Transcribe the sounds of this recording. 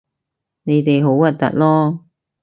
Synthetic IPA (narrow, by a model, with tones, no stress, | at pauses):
ne˨˧jt̪e˨jɦo˨˥wɐ˨t̚t̪ɐ̰˨t̚lɔː˥